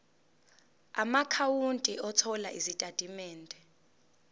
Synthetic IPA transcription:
a̰makʰawuntʼiɔtʰɔlaʔizitʼad̥ʱʼimɛːndʱʼɛ

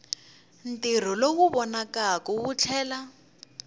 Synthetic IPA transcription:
n̩tir̤ɔlowuβɔnakakɔwut͡ɬʰɛːla

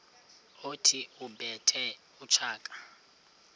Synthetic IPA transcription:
otʰiubʱɛtʰɛ | ut͡ʃʰaːkʼḁ

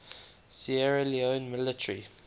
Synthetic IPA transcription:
siɛɹɛliõnmɪlɪtʰəɹi

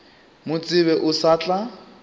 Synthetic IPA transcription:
mʊt͡sʼɪβɛʔʊsaːt͡ɬʼa

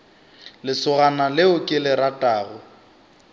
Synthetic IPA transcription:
lɪsʊɣanalɪʊkʼɪlɪɾatʼaːɣʊ

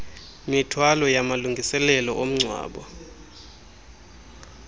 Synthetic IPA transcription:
mitʰwalɔjamaluŋɡʱisɛlɛlɔʔom̩ŋ͡ǀʱwa̰ːɓɔ̰

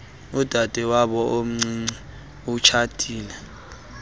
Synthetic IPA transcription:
ud̥ʱad̥ʱɛwaɓɔʔom̩ŋ͡ǀiŋ͡ǀi | ut͡ʃʰad̥ʱiːlɛ

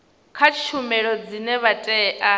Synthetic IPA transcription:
kʰat͡ʃʰumɛɺɔd͡zinɛβatʼɛʔa

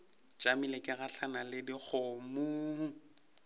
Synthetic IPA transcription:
t͡ʃʼamilekʼɪɣaɬanalɪdik͡xʰʊmuː

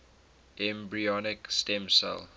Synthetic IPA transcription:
ɛ̃mbɹiɔnɪkstɛ̃msɛ̰l

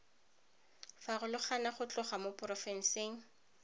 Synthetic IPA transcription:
faɣʊlɪχanaχʊt͡ɬʊχamopʼrɔfɛn̩seːŋ̩

